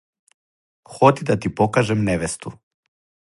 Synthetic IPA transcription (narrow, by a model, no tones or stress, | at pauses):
xɔt̪id̪at̪ipɔkaʒɛmnɛʋɛst̪u